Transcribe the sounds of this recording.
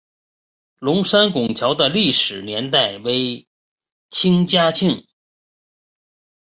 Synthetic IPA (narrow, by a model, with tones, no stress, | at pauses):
lʊ˧˥ŋʂa˥nkʊ˨˩ŋt͡ɕʰjɑ˧˥ʊd̪ə˧li˥˩ʂɻ̩˨˩njɛ˧˥nt̪̬a˥˩ɪwe˧˥ɪ | t͡ɕʰi˥ŋt͡ɕja˥t͡ɕʰi˥˩ŋ